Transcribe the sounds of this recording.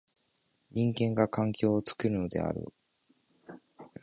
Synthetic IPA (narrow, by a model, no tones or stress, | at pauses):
ɲĩŋɡẽ̞ŋɡakʰãŋkʲo̞ːt͡sɨ̥kɯ̟ɾɯ̟no̞d̪e̞̰a̰ɾɯ̰